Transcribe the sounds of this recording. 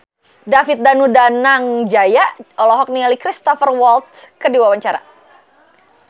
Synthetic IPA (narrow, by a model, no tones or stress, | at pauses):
dafit̪̚danudanaŋd͡ʒajaʔɔlɔɦɔk̚nialikɾist̪ɔfərwɔlt̪̚skərdiwawaɲt͡ʃaɾa̰